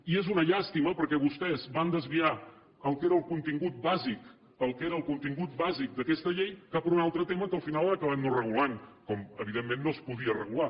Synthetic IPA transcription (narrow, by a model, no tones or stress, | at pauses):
iezunəʎast̪iməpəɾkɛβust̪ɛzband̪əzβia | əlˠkeɾəːlˠkunt̪iŋɡut̪̚bazik | əlˠkeɾəːlˠkunt̪iŋɡut̪̚bazik̚d̪əkɛst̪əʎejkapəɾunalˠt̪ɾət̪eməkəlˠfinalˠəkəβ̞amnorəɣulankɔməβ̞iðemːenːospuðiərə̰ɣula